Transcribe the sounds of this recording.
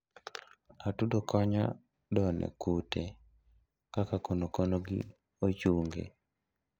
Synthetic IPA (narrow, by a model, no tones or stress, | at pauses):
atudokʰɔɲa̰ | dɔnɛ̰kute | kakakonokonoɡḭ | ot͡ʃuŋɡḛ